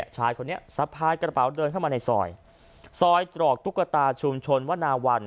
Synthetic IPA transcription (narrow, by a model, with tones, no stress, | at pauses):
t͡ɕʰaː˦˥jkʰo˧nːi˥ɐsa˦˥pʰaː˧jkɾa˧pa˩˦wdɤː˧nkʰa˥˩maː˧na˧jsɔ̰ː˧j | sɔː˧jt̪ɾɔː˨˩k̚t̪ʰu˦˥kːɾa˧t̪aː˧t͡ɕʰu˧mt͡ɕʰo˧nwaː˥˩naː˧wa˧n